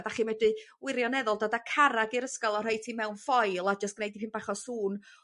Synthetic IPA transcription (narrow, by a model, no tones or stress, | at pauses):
daχiːmɛdɨ | wɪɾjɔnɛðɔlˠdadakʰaɾaɡiɾəskɔlˠɔr̥ajtʰimɛwnfɔjlˠad͡ʒastɡ̥nejdipʰɪnbaχɔsuːn